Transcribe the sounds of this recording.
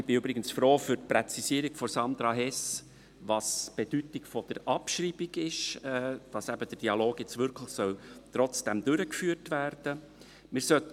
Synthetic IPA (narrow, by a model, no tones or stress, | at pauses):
b̥ɪybɾɪɡənsfɾoːfʏɾtpɾɛt͡sisiːɾiɡfɔsɑnd̪ɾɑɦɛs | ʋɑsb̥ed̥ytɪkfɔd̥əɾɑpʃriːbiɡɪʃɛːd̥ɑsæbəd̥əd̥iɑloːɡjɛt͡stvʏɾkʰləxsœltɾɔt͡sd̥ɛmd̥̪ʏɾəkfyːəɾtʋæːɾd̥ə | mɪːɾsœt